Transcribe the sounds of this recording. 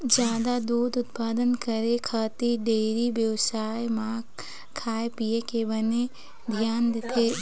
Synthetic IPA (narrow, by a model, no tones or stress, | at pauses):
d͡ʒjaːd̪ad̪uːd̪ʊt̪paːd̪ənkəɾekʰat̪iɖeːɾibjəʋsaːjmãː | kʰːaːepijekebəne | d̪ʱjaːnd̪et̪ʰeː